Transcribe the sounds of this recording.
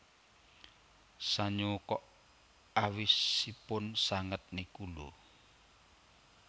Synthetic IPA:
saɲokɔʔ | awisːipʊnsaŋət̪̚nikulu

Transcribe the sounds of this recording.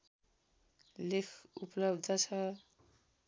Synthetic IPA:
lekʰupʌlʌbd̪ʱʌt͡sʰʌ

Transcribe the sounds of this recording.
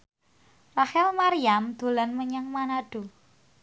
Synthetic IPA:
rahɛlmaɾiamd̪̥o̤lanməɲaŋmanaɖ̥o̤

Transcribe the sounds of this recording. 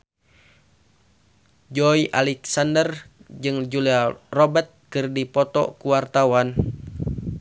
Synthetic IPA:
d͡ʒɔiʔalɛksandərd͡ʒɨŋd͡ʒuliarɔbɛrt̪̚kɨrdipɔt̪ɔ̰kuwart̪awan

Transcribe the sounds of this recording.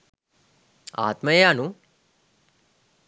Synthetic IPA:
a̰ːt̪məjejanu

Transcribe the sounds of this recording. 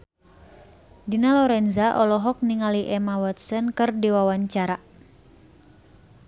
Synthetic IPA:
dinalɔɾɛnzaʔɔlɔɦɔk̚niŋaliʔɛmawat̪sənkɨrdiwawaɲt͡ʃaɾa

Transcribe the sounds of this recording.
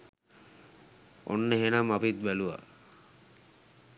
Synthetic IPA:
o̰nːəɦenamapit̪̚bæluʋa̰

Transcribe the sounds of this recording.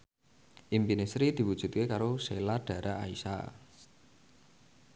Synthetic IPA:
ʔimpinesɾid̪̥i̤wudʒ̥ṳt̪̚kekaɾoselaɖ̥ä̤ɾʔaʔaisa̰

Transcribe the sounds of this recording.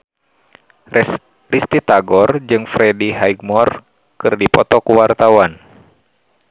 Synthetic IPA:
rist̪it̪aɡɔrd͡ʒɨŋfɾɛdiɦajɡ̚mɔr | kɨrdipɔt̪ɔkuwart̪awan

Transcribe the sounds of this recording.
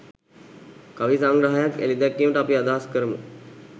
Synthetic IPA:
kaʋisaŋɡɾaɦajakḛlid̪akːiməʈəapiad̪aɦaskəɾəmə̰

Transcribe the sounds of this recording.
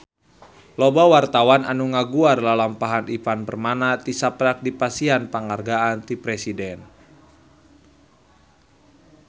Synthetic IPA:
lobawart̪awananuŋaɡuarlalampaɦanifanbərmanat̪isapɾak̚dipasianpəŋarɡaant̪ipɾɛsidɛn

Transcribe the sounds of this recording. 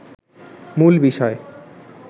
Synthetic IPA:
mulbiʃɔe

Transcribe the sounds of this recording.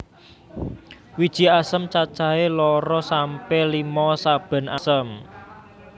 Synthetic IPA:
wid̥ʒ̥i̤asəmt͡ʃat͡ʃaelɔɾɔsampɛlimɔsab̥a̤nʔasəm

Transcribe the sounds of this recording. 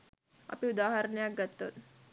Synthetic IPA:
ɐ̰piud̪aɦəɾnjaɡət̪ːə̰t̪

